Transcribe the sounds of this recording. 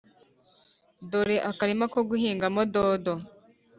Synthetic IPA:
doɾeʔakaɾimakoɡuhiːŋɡamododo

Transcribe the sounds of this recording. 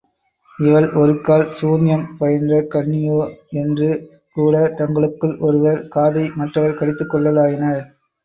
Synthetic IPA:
ɪʋɐɭʔɔɾɯkːaːlsuːnɪjɐmpɐjɐndrɐkɐɳːɪjoːɛndrɯ | kuːɽɐt̪ɐŋɡɐɭɯkːɯɭʔɔɾɯʋɐɾkaːðɐɪmɐʈrɐʋɐɾkɐɽɪt̪ːɯkːɔɭːɐlaːɣɪnɐ

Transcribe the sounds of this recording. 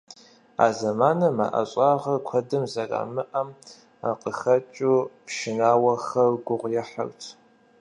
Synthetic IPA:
a̰ːzɐmaːnɐma̰ʔɐ̰ɕʼaːʁɐrkʷʰɐdɨmzɐra̰ːmɨʔɐm | aqəxɐt͡ʃʼupʃɪnaːwɐxɐrɡʷʊʁʷjɛħa̰rtʰ

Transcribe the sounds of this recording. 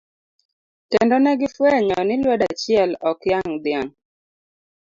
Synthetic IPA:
tɛndɔnɛɡɪfwɛɲɔnɪlwɔdat͡ʃɪɛlɔkjaŋd̪ɪaŋ

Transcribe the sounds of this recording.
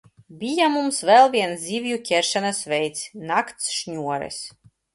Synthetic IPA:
bʲijamumsvɛlˠvʲiɛnszʲivʲjukʲɛɾʃɛnasvʲɛjt̪sʲnakt̪sʃɲʲuɔɾɛ̰s

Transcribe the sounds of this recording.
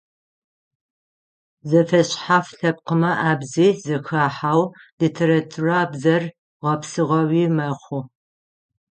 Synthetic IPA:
zɐfɐɕħafɬɐp̚qəmɐʔaːbziːzɐxaːħaːwlitʰeɾatʰuraːbzɐr | ʁɐpsɨʁɐwiːmɐχʷʊ

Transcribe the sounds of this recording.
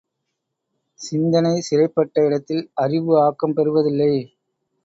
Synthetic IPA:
sɪnd̪ɐnɐɪsɪɾɐɪpːɐʈːɐɪɽɐt̪ːɪlɐrɪʋɯaːkːɐmpɛɾɯʋɐðɪlːɐɪ

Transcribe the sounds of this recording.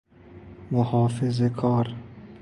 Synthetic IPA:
mohɒːfezekʰɒːɾ

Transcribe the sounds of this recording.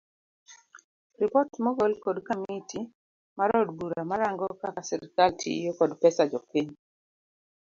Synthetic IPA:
ripɔtmoɡolkɔdkamiti | maɾɔd̚buɾamaɾaŋɡɔkakasɛɾkaltʰḭjokɔdpɛsad͡ʒɔpiɲ

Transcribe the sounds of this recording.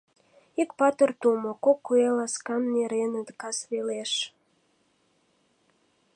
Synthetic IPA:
ikpɑt̪ərt̪umokokːuelɑskɑnːeɾenəd̪kɑsβeleʃ

